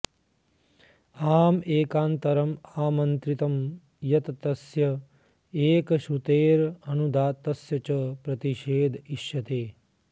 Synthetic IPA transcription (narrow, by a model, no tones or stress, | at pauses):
aːmeːkaːnt̪ɐɾɐmaːmɐnt̪ɾit̪ɐm | jɐt̪t̪ɐsjɐ | eːkʃut̪eːɾɐnud̪aːt̪ɐsjɐt͡ʃɐpɾɐt̪iʃeːd̪ʱiʃjɐt̪eː